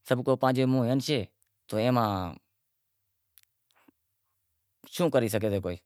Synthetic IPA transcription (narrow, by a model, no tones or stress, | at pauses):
səbʱkoːpãːd͡ʒeːmũːeːənʃeː | t̪oːẽːmãː | ʃũːkəɾiːs̬əkeːdeːkoːiː